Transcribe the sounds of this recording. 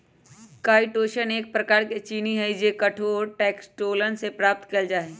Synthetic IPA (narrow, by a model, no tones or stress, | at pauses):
kaːiʈoːʃəneːk̚pɾɐkaːɾket͡ʃiːniɦɛd͡ʒekɐʈʰoɔɾʈɛːksʈoːlənsepɾaːp̚t̪kɐld͡ʒaːeː